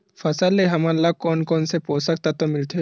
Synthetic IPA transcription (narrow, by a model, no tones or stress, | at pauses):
fɐsəlːeɦɐmalːaɡ̚kɔːnkɔːnsepoːsək̚t̪at̪omɪlt̪e